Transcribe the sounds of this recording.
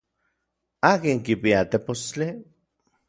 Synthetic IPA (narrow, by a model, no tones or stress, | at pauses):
aːkiŋkipiat̪epost͡ɬi